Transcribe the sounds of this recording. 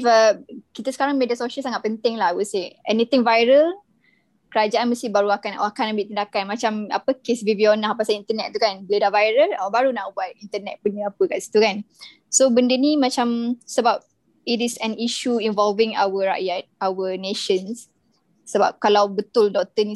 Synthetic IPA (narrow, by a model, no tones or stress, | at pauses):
fəkit̪əsə̥kaɾaŋmedəsoʃəlsaŋat̪̚pənt̪ɪŋlaɦawuseɛnit̪ɪŋvajɾəl | kəɾad͡ʒaanməst̪ibaɾuakanʔakanəmbiʔt̪əndakanmat͡ʃama̰pəkesvivionahpasaint̪ənɛt̪̚ːukanbəledaʔvajɾəlabaɾunaʔbuat̪̚int̪ənɛ̰t̪̚bənəapəkaʔsi̥t̪ukan | sobəndənimãt͡ʃamsəbap̚ | itisɛniʃuinvɔlvɪŋa̰wəɹa̰ʔjat̪̚awəneʃəns | səba̰p̚kalawbət̪ʊldɔk̚t̪əni